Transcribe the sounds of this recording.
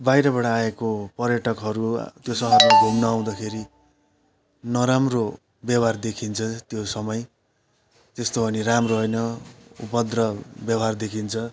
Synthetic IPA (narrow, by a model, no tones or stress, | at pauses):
bajɾʌbʌɽaːekopʌrjʌʈʌkɦʌɾut̪josʌɦʌrmaɡʱumnʌːw̃d̪akʰeɾi | nʌɾamro | bjʌbard̪ekʰint͡sʰʌt̪josʌmʌj | t̪est̪obʱʌniramroɦʌjnʌṵpʌd̪rʌbjʌbard̪ekʰint͡sʰʌ